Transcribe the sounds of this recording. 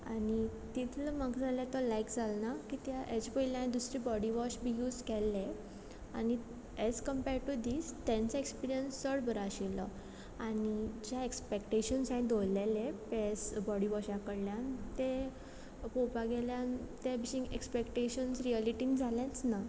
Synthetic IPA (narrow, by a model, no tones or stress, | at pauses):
anit̪it̪ʰləmaɡd͡zaljat̪ɔlaikd͡zalnakit̪jaʔɛd͡ʑpəilãĩd̪usɾiːbɔɽiʋɔɕbʱijuːd͡zkɛlːe | a̰ni | ɛd͡zkəmpɛɾʈud̪ist̪ɛ̃nt͡saekspiɾijənsːəɽbəɾaɕilɔ̰ | anid͡ʑjaekspekʈeɕənsãĩd̪ojlɛlepesbɔɽiʋɔɕakəɽljant̪e | popaɡɛljãnt̪ebiɕĩŋɡekspekʈeɕənsɾialiʈind͡zaljãt͡sna